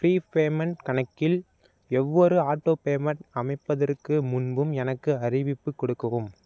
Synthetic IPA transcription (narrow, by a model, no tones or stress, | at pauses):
fɾiːpeːmɐnʈkɐɳɐkːɪl | ɛʋːɔɾɯaːʈːoːpeːmɐʈɐmɐɪpːɐðɐrkɯmʊnbɯmɛnɐkːɯɐrɪʋɪpːɯkːɔɽɯkːɯɣɯm